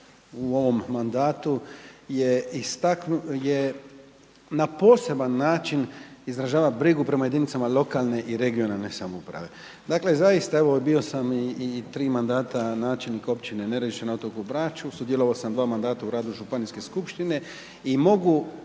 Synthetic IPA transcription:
uo̞ʋo̞mːand̪aːt̪ujeist̪aknuje | napo̞ːse̞banːaːt͡ʃinizɾaʒaːʋabɾiɡupɾe̞maje̞d̪init̪samalo̞kalˠne̞ʔiɾe̞ɡio̞nalne̞samoupɾa̰ʋe̞̰ | d̪akle̞zajist̪ae̞ʋo̞bio̞samiːt̪ɾiːmand̪aːt̪anaːt͡ʃelniko̞pt͡ʃineneɾd̪iʃt̪enaot̪okubɾaːt͡ʃusud̪je̞loʋaosamd̪ʋaːmand̪aːt̪auɾaːd̪uʒupaniske̞skupʃt̪ine̞ | imo̞ɡu

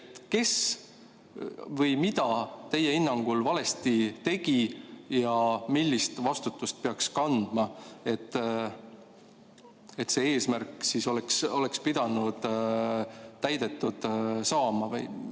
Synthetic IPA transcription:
t̪ke̞s | vɤjmid̪̥ɑt̪e̞jːeinːɑŋɡ̥ulvɑle̞st̪it̪e̞ɡ̥ijɑmilʲːist̪vɑst̪ut̪ːˑust̪̚peɑkskɑnd̪̥mɑe̞t̪ːˑ | et̪see̞ːsmærkːˑsiso̞lɛkso̞lekspid̪̥ɑnud̪̥ | t̪ːæjd̪̥e̞t̪ːˑud̪̥sɑːmɑvɤj

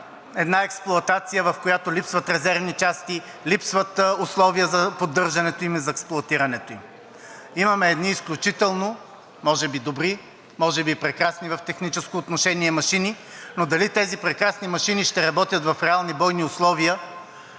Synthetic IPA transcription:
ɛd̪naɛksplˠʊɐt̪at̪sijəvɐfkojat̪olipsvɐt̪ɾɛzɛɾvnit͡ʃast̪i | lipsvət̪ʊslˠɔvijəzɐpod̪ːɤɾʒɐnɛt̪oimizɐɛksplˠʊɐt̪iɾɐnɛt̪oim | imɐmɛːd̪niːsklʲut͡ʃit̪ɛlˠno | mɔʒɛbid̪obɾi | mɔʒɛbipɾɛkɾasnivɐft̪ɛxnit͡ʃɛskoːt̪noʃɛniɛmɐʃini | nod̪ɐlit̪ɛzipɾɛkɾasnimɐʃiniʃt̪ɛɾɐbɔt̪ʲjət̪vɐfɾɛalˠnibɔjniʊslˠɔviə

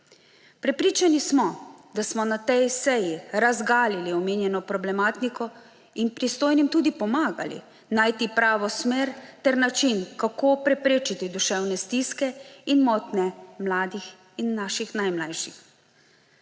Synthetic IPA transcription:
pɾɛpɾiːt͡ʃanismɔd̪asmɔnat̪ɛjsɛjiɾazɡaːliliɔmeːnjɛnɔpɾɔblɛmaːt̪nikɔ | inpɾist̪oːjnimt̪uːd̪ipɔmaːɡa̰lḭ | naːjt̪ipɾaːʋɔsmeːɾt̪ɛɾnat͡ʃinkakopɾɛpɾeːt͡ʃit̪id̪uʃɛwnɛst̪iːskɛinmɔt̪nɛmlaːd̪ix | inːaːʃixnajmlajʃḭx

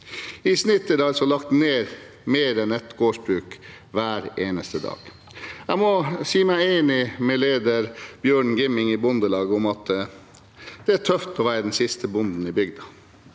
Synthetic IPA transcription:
ɪsnɪt̪ːəd̪ɛɑlsɔlɑkt̪neːɾ | meːɾɛnɛt̪ɡoːʂbɾʉːk | ʋæːɾeːnəst̪əd̪ɑ̰ːɡ̥ | æɪmɔsiːmæɪeːnɪmɛleːd̪əɾb̥jøːɳɡɪmɪŋɪbʊnd̪əlɑːɡəɔmɑt̪ | d̪̥ɛæʈʰœft̪ʰɔʋæːɾəd̪ɛnsɪst̪ʰəbʊnd̪n̩ɪbʏɡd̪ɑ

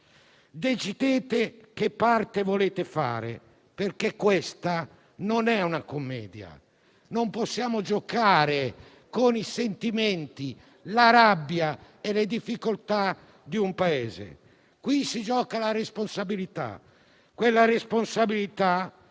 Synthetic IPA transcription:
d̪et͡ʃid̪eːt̪ekepːart̪evoleːt̪efa̰ːɾḛ | perkekːwest̪a | nonɛunakomːɛ̰ːd̪ja̰ | nomposːjaːmod͡ʒokaːɾe | konisent̪iment̪i | laɾabːja | eled̪ifːikolt̪a | d̪iumpaeːzḛ | kwisid͡ʒɔːkalaɾesponsabilit̪a̰ | kwelːaresponsabilit̪a

